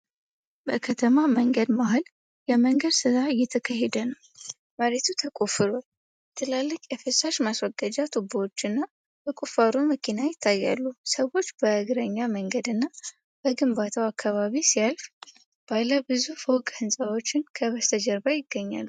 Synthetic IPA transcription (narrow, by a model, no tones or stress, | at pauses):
bəkʰət̪ʰəmaməŋɡəd̪maɦol | jɛməŋɡəd̪sɨzaɨjɛt̪ʰːəkʰaɦɛd̪ənəw | məɾet̪ʰut̪ʰəkʼofɨɾo | t̪ʰɨlalːəkʼjɛfɨsaʃmaswɔɡad͡ʒat̪ʰuboot͡ʃːɨnːa | b̥əkʼufaɾuməkʰinajɪt̪ʰːajːa̰lːusəwo̞t͡ʃːbəɨɡɨɾəɲːaməŋɡəd̪ɨnːa | b̥əɡɨmbat̪ʰawakʰːaβaβisijalf | b̥aləbɨzufokʼhɨnsʼawo̞t͡ʃːɪnkʰəβəst̪ʰəd͡ʒəɾbajɪɡːəɲːa̰lːu